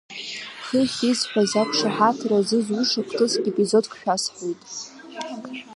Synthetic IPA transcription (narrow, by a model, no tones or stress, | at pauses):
χəχʲizħʷᶣazapʰʂaħatʰrazɨzuʂakʷʰtʰɨsɡʲepʼizodkʰʷʼʃᶣasħʷojtʼ